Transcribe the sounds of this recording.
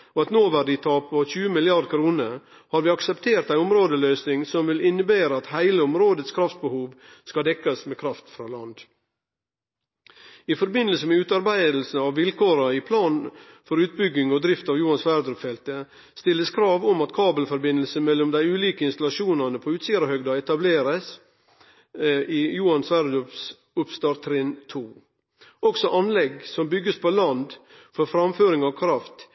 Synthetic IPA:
ɔɑt̪noːʋæɖɪt̪ʰɑːpɔçʉːəmɪlɪɑɾd̪kʰɾuːnə | hɑɾʋɪːɑksɛpt̪ʰeːɾt̪æɪɔmɾoːd̪əløːsnɪŋsɔmʋɪlɪnːəbeːɾəɑt̪hæɪləɔmɾoːd̪ət̪skʰɾɑft̪̚bəhuːʋ | skɑd̪ɛkːɑsmeːkʰɾɑft̪fɾɑːlɑ̰nd̪ | ɪfɔɾbɪnːəlsəmɛʉːt̪ɑɾbæɪd̪l̩sn̩ɑʋʋɪlkoːɾɑɪpʰlɑːnfɔɾʉːt̪̚bʏɡɪŋɔd̪ɾɪft̪ɑʋjuːɑnsʋæɾd̪ɾʉpfɛlt̪ə | st̪ɪlːəskʰɾɑːʋɔmɑt̪kʰɑːbəlfɔɾbɪnːəlsəmɛlːɔmd̪æɪʉːliːkəɪnst̪ɑlɑʃuːnɑnəpʰɔʉːt̪siːɾəhœɡd̪ɑɛt̪ɑbleːɾəs | iːjuːɑnsʋæɾd̪ʉps | ʊpst̪ɑːɾt̪ʰɾɪnt̪ʰuː | ɔksɔʔɑnlɛɡsɔmbʏɡəspʰolɑnd̪ | fɔɾfɾɑmføːɾɪŋɑʋkʰɾɑft̪

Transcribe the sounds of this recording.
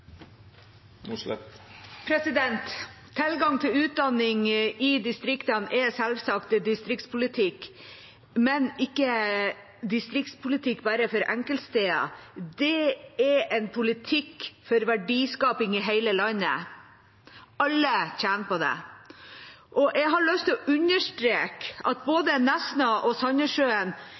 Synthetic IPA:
ɛpʰɾɛsɪd̪ɛnt̪ʰː | ɪlɡɑŋt̪ʰɪlʉːt̪̚d̪ɑnːɪŋɪd̪ɪst̪ɾɪkt̪ənɛsɛlʋsɑkt̪d̪ɪst̪ɾɪk̚t̪spʰʊlɪt̪ʰɪk | mɛnɪkːə | d̪ɪst̪ɾɪkt̪spʰʊlɪt̪ʰɪkːbæːɾəfɔɾɛŋkəlt̪st̪eːɑ̰d̪ɛɛɛnpʰʊlɪt̪ʰɪkːfɔɾʋæɖiːskɑːpɪŋɪɦæɪləlɑnə̰ | ɑlːəçæːnpɔd̪ɛ̰ | ʔɔʔɛɡɦɑɾɭœst̪ʰɔʔʉɲːəʂtɾeːkɑt̪̚boːd̪ənɛsnɑʔɔsɑɲəʂøːən

